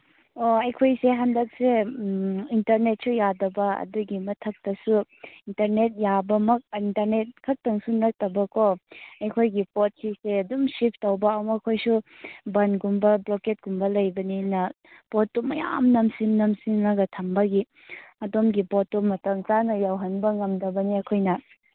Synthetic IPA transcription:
oɐjkʰojseɦandɐk̚se | intɐɾnet̚sujadɐbɐɐ̰duɡimɐtʰɐk̚tɐsuintɐɾnet̚jabɐmɐk̚intɐɾnet̚kʰɐk̚tɐŋsunɐk̚tɐbɐkoɐjkʰojɡipot̚siseɐdumsip̚ʰtɐwbɐawmɐkʰojsubɐnɡumbɐbloket̚ɡ̥umbɐlɐjbɐninɐ | potːumɐ̰ja̰mnɐmsimnɐmsimnɐɡɐtʰɐmbɐɡi | ɐdomɡipotːumɐtɐŋt͡ʃanɐjawɦɐnbɐŋɐmdɐbɐniɐkʰojnɐ

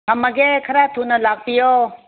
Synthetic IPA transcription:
ɦɐməɡekʰəɾaːb̚t̪ʰuːnɐlaːɡ̚pijoː

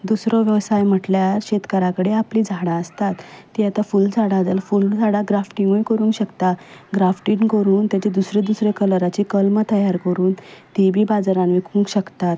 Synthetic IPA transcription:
d̪usɾɔʋjəʋsajm̤əʈljaɕet̪kəɾakəɽeapliːd͡zʱaɽãəst̪at̪ːiat̪afuld͡zʱaɽad͡z̪əlfuld͡zʱaɽaɡɾafʈiŋɡujkəɾũŋkɕəkt̪aɡɾafʈinkəɾuːnt̪jat͡ɕed̪usɾed̪usɾekələɾat͡ɕikəlmət̪əjaɾkəɾuːnt̪ibʱiːbad͡zaɾanʋikʰuŋkɕəkt̪at̪

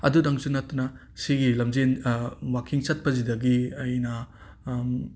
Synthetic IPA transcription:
ɐ̰dudɐŋsunɐtːunɐ | siɡilɐmzenwakʰiŋt͡ʃɐt̚pɐzidɐɡiɐjnɐ

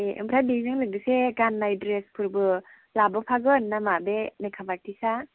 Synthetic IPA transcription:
eʔɯ̰mpʰɾabizɯŋlɯɡ̚dɯseɡanːajdɾespʰɯɾbɯ | labɯpʰaɡɯnːamabenekʰabatʰisa

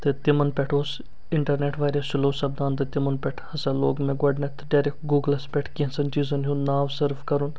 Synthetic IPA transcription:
t̪et̪ɪmənpʲɛʈʰoːs | ɪɳʈɐɾneːʈʰʋaːɾʲɐsɪloːsɐb̚d̪aːnt̪et̪ɪmɐnpʲɛʈʰhɐsaːloːɡmẽɡɐɖnet̪ʰɖaːɾekʈɡuːɡəlɐspɛʈʰkĩsɐnt͡ʃiːzɐnɦũnnaːʋsɐɾfkɐɾun

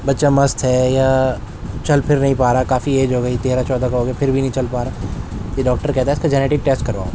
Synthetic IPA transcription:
bɐtːʃamɐst̪ɦɛːjaː | t͡ʃɐlpʰɪɾnɐɦĩpaːɾakaːfieːd͡ʒɦoːɡɐit̪eːɾat͡ʃɔːd̪ʱakaɦoːɡjapʰɪɾbʱinɐ̃ɦĩt͡ʃɐlpaːɾaːjeɖɔːk̚ʈəɾkɛɦt̪aɦɛɪskad͡ʒɛːneːʈɪk̚ʈeːsʈ̚kɐɾʋaː

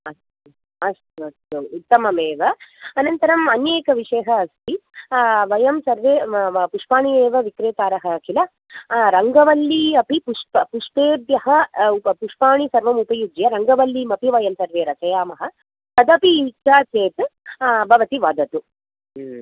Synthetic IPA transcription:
ɐst̪u | ɐst̪uɐst̪uːt̪ːɐmɐmeːʋɐɐnɐnt̪ɐɾɐmɐnjeːkɐʋiʂɐjɐɦɐːst̪ʰi | ʋɐjɐmsɐɾʋeːpuʂpaːɳieːʋɐʋikɾeːt̪aːɾɐɦɐkilɐ | ɾɐŋɡɐʋɐlːiɐpipuʂppuʂpeːd̪jɐɦɐpuʂpaːɳisɐɾʋɐmupɐjud͡ʒjɐɾɐŋɡɐʋɐlːimɐpiʋɐjɐmsɐɾʋeːɾɐt͡ʃɐjaːmɐɦɐ̆ | sɐd̪ɐpiit͡ʃaːt͡ʃeːt̪bʱɐʋɐt̪iʋaːd̪ɐt̪u

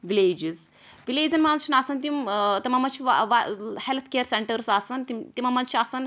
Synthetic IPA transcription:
ʋileːd͡ʒiz | ʋileːzɐnmaːnzt͡ʃʰinaːsɐnt̪imt̪imɐmɐnt͡ʃʰiʋʋahelt̪ʰkeːɾseɳʈəɾsaːsɐnt̪imt̪imɐmɐnt͡ʃʰiaːsɐn

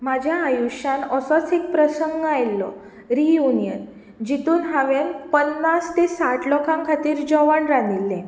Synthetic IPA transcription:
mad͡ʑʱjaːjuɕãnəsɔt͡sek̚pɾəsəŋɡajlːɔ̰ | ɾijunijən | d͡ʑit̪uːnɦaʋenpənːast̪esaʈlɔkʰãŋkʰat̪iːɾd͡ʑɔʋaɳɾanilːẽ

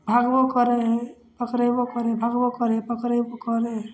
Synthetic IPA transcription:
bʱaɡbokəɾeɦ | pəkɾebokəɾebʱaɡbokəɾepəkɾebokəɾeɦ

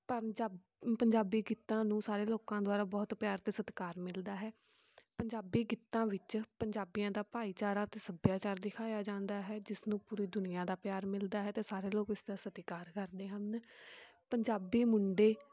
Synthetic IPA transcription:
pə | pəɲd͡ʒaːbiːɡɪt̪ːãːnũːsaːɾeːloːkãːd̪owaːɾaːbɔːt̪pjaːɾt̪eːsət̪kaːɾmɪld̪aːɦɛː | pəɲd͡ʒaːbiːɡɪt̪ːãːʋɪt͡ʃpəɲd͡ʒaːbijãːd̪aːpaːiːt͡ʃaːɾaːt̪eːsəbjaːt͡ʃaːɾd̪ɪkʰaːjaːd͡ʒãːnd̪aːɦɛːd͡ʒɪsnũːpuːɾiːd̪ʊnɪjãːd̪aːpjaːɾmɪld̪aːɦɛːt̪eːsaːɾeːloːkɪsd̪aːsət̪kaːɾkəɾd̪eːɦən | pəɲd͡ʒaːbiːmʊɳɖeː

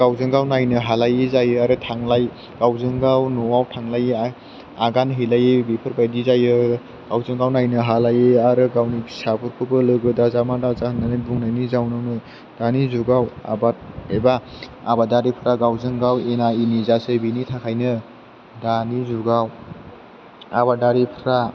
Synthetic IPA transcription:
ɡ̥awzɯŋɡawnajnɯɦalajizajɯaɾɯtʰaŋlaj | ɡ̥awzɯŋɡawnɔwawtʰaŋlaja | aɡanɦilajebipʰɯɾbajdizajɯ | ɡ̥awzɯŋɡawnajnɯɦalajɯaɾɯɡawnisapʰɯɾkʰɯbɯlɯɡɯdazamadazahɯnːanɯbuŋnajnizawnɯwnɯ | d̥anizuɡawa̰baebaabadaɾipʰɾaɡawzɯŋɡawenainizasɯbinitʰakʰajnɯ | danizuɡaw | abadaɾipʰɾa

